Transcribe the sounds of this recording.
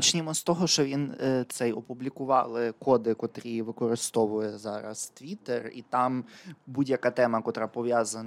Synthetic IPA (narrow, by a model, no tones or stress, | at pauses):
t͡ʃnʲɪmɔst̪ɔɦɔʃt͡ʃɔʋʲint̪sɛjɔpublʲikʊʋɑlˠɪkɔd̪ɪkɔt̪ɾʲiʋɪkɔɾɪst̪ɔʋʊjɛzɑɾɐ̰st̪ʋʲit̪erḭt̪ɑmbudʲjɐkɑt̪ɛmɐkɔt̪ɾapɔʋʲjazɐn